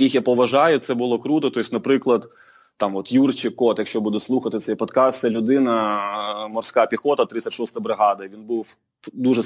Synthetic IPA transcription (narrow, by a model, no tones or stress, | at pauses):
kʲixjapɔʋɐʒɑjʊt̪sɛbʊlˠɔkɾut̪ɔt̪ɔisʲnɐpɾɪklˠɐd̪ | t̪ɑmɔt̪jurt͡ʃɪkːɔt̪jɐkʃt͡ʃɔbud̪ʊslˠuxɐt̪ɪt̪sɛjpɔt̪kɑst̪sɛlʲʊd̪ɪnɐ | mɔrsʲkɑpʲixɔt̪ɐt̪ɾɪt̪sʲɐt̪ʲʃɔst̪ɐbɾɪɦɑd̪ɐʋʲinbuw | d̪uʒɛ